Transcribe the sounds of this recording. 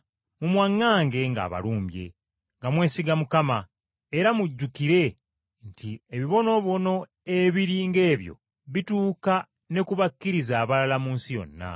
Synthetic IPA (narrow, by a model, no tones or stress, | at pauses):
mumwaŋːaːŋɡe̞ŋɡa̰ːβa̰luːmbje̞̰ | ŋɡamwe̞ːsiɡamukama | eɾamuɟːukiɾe̞ | ntʰieβiβo̞no̞βo̞no̞ | eβiɾiːŋɡe̞ːβjo̞̰ | βituːka | ne̞kuβakːiɾizaːβalalamuːnsijo̞̰nːa̰